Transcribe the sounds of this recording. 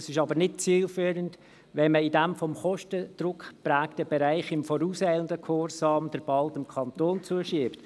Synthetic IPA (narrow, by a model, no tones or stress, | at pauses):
sɪʃɑbəɾnɪt̚t͡siːlfyːɾənd | ʋɛnməidæmfɔmχɔʃtəd̪̥ɾʊkpɾæːktəbɛɾæɪχɪmfɔɾuːsɛɪləndəkʰɔɾsɑːmd̥əɾb̥ɑldɪmkʰɑnt̪oːnt͡suəʃiːpt